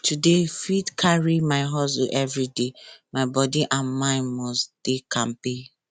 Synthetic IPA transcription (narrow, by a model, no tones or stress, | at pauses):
tudefidkʰaɹimaɪɦɔsuʔɛvɹidemaɪbɔdiʔãnmãɪ̃nmɔsd̥ekʰãmpe